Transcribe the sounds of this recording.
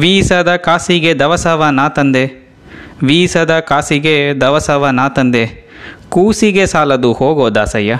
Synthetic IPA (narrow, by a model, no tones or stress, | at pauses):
ʋiːsɐd̪ɐkaːsiɡed̪ɐʋɐsɐʋɐnaːt̪ɐnd̪e | ʋiːsɐd̪ɐkaːsiɡed̪ɐʋɐsɐʋɐnaːt̪ɐnd̪e | kuːsiɡesaːlɐd̪uhoːɡoːd̪a̰ːsɐjːɐ